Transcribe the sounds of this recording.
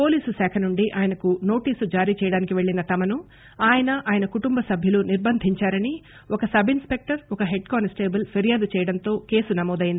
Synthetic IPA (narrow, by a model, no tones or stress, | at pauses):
po̞ːliːsusɛːkʰɐnuɳɖiʔaːjɐnɐkuno̞ːʈiːsud͡ʒaːɾiːt͡ʃɛːjɐɽaːnikiʋe̞ɭːinɐt̪ɐmɐnu | aːjɐnɐaːjɐnɐkuʈumbɐsɐbʱjɐluniɾbɐnd̪ʱiɲt͡ʃaːɾɐni | ɔkɐsɐbʱinspe̞k̚ʈɐɾɔkɐɦe̞ɖ̚kaːnsʈe̞ːbɐlpʰeɾijaːd̪ut͡ʃɛːjɐɽɐnt̪o̞ːke̞ːsunɐmɔːd̪ɐjind̪i